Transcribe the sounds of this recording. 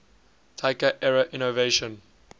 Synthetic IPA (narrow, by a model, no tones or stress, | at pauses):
tʰaɪkəʔɛɹəʔĩnoveɪʃə̃n